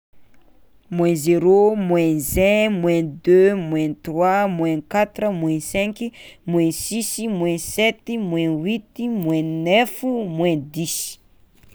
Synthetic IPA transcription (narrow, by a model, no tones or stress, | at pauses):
mwɛ̃zeɾomwɛ̃zɛ̃mwɛ̃d̪ømwɛ̃t̪rwamwɛ̃kat̪rəmwɛ̃sɛ̃kimwɛ̃sisimwɛ̃sɛt̪imwɛ̃wit̪imwɛ̃nɛfumwɛ̃d̪isi̥